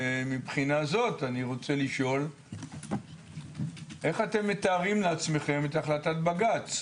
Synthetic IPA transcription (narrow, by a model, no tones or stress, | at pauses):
mipχinazo̞taniʁo̞t͡se̞liʃo̞l | ʔe̞χate̞mːetaːʁimleat͡sme̞χe̞metaχlatat̚baɡat͡s